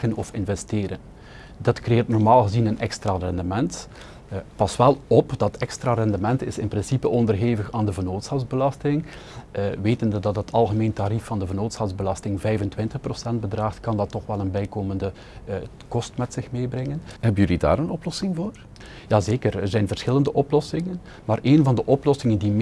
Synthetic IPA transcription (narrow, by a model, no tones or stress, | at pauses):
ɣənɔfɪnvɛsteːɾən | dɑtkrejɪːrtnɔrmaːlˠɣəzinənʔɛkstraːrɛndəmɛnt | pɑsʋɛlˠɔpdɑtɛkstraːrɛndəmɛntɪsɪnprɪnsipəʔɔndərɦeːvəxaːndəvərnoːtsxɑwzbəlɑstɪŋ | ʋeːtəndədɑtdɑtʰɑlˠɣəmeːntaɾifːɑndəvərnoːtsɑwzbəlɑstɪŋvɛjvəntwɪntəxprosɛnd̚bədraːxtkɑndɑtːɔxʋɛlˠənbɛjkoːməndə | kɔstmɛtsɪxmeːbrɪŋənɦɛbənjəlida̰ːɾənɔplɔsɪŋvoːr | jaːzeːkərərzɛjnvərsxɪləndəʔɔplɔsɪŋən | maːɾʔeːnvɑndəʔɔplɔsɪŋəndim